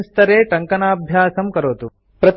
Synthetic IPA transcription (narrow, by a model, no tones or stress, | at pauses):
st̪ɐɾeːʈɐŋkɐnaːbʱjaːsɐmkɐɾoːt̪u | pɾɐt̪